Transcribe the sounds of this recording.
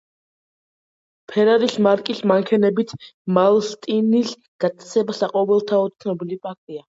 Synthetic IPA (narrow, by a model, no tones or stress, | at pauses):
pʰɛɾaɾismaɾkʼismaŋkʰɛnɛbit̪ʰmalˠst̪ʼinis | ɡ̥at̪ʼt̪sʰɛbasaqʼɔvɛlˠt̪ʰaɔt̪sʰnɔbilipʼak̚ʰt̪ʼia